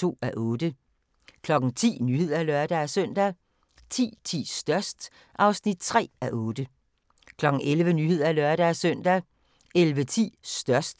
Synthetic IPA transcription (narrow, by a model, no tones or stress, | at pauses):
o̝̰ːæʔɔ̽ːd̥ə | kʰlɒ̽ɡ̥n̩t͡sʰḭːnyhe̝ð̰ˠɐlœɐd̥ææsœn̰d̥æ | t͡sʰḭːt͡sʰḭːsd̥ɶɐsd̥ | ʔɑ̈ʊsnid̥̚t͡sʰʁɛ̰ːæʔɔːd̥ə | kʰlɒ̽ɡ̥ŋ̩elʋənyhe̝ð̞̰ˠɐlœɐɾ̥ææsœn̰d̥æ | elʋət͡sʰḭːsd̥ɶɐsd̥